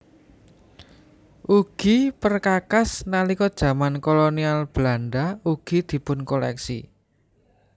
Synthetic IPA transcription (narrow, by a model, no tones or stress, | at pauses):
ʔuɡ̥ipərkakasnalikɔd̥ʒ̥ä̤mankolonialb̥lanɖauɡ̥i̤d̪̥i̤pʊnkolɛ̰ksḭ